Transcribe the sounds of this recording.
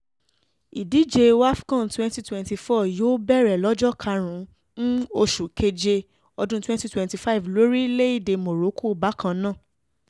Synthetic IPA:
i˨di˦˨d͡ʒe˧wa˦fi̥˦kã˦˨n˨twɛ̃˦nti˦twɛ̃˨nti˧fɔ˦˨jo˦bɛ˦˨ɾɛ˨lɔ˨˦d͡ʒɔ˦kʰa˧ɾ̃ũ˨˦ | nũ˦o˧ʃu˨kʰe˧d͡ʒe˧ | ɔ˧dũ˦twɛ̃˦nti˧˦twɛ̃˨nti˨fa˦i˨vlo˨˦ɾi˦le˦i˦˨de˧mo˨ɾo˨˦ko˦˨ba˨˦kã˧nã˦˨

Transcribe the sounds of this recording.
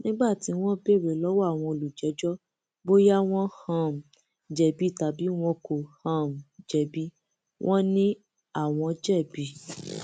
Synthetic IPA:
nĩ˦ɡ͡ba˦˨ti˨˦w̃ɔ̃˦be˦˨ɾe˨lɔ˨˦wɔ˦a˦˨w̃ɔ̃˧o˧lu˨d͡ʒɛ˨˦d͡ʒɔ˦ | bo˦ja˦w̃ɔ̃˦hã˨m̩˨ | d͡ʒɛ˨bi˨˦˨ta˨˦bi˨˦w̃ɔ̃˧ko˨hã˨m̩˨d͡ʒɛ˨bi˨˦ | wʔɔ̃˦nĩ˦ | a˦˨w̃ɔ̃˨˧d͡ʒɛ˦˨bi˨˦

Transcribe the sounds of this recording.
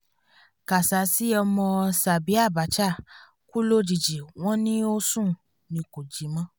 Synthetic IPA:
ka˨sa˨˦si˦ɔ˧mɔ̃˧sa˨bi˨˦a˦˨ba˨˦t͡ʃa˦˨ | ku˦lo˦d͡ʒi˨d͡ʒi˨w̃ɔ̃˦nĩ˦o˦sũ˦˨ | nĩ˨ko˨d͡ʒi˨˦mã˧˦

